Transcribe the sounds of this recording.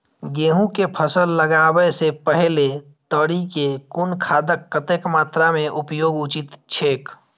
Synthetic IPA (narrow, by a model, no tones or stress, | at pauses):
ɡeːɦũkepʰəsəlːəɡaːwəsepəɦle | t̪əɽikekʊnkʰaːd̪əkːət̪eːkmaːt̪ɾamẽʔʊpjoːɡʊt͡ʃɪt̪t͡ʃʰeːk